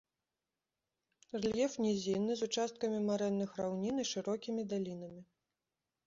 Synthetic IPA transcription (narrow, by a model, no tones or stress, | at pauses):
rlʲjɛfnʲɛzʲinːɨzut͡ʂast̪̚kɐmʲimaɾɛnːɨxrawnʲiniʂɨɾɔkʲimʲid̪alʲinɐmʲi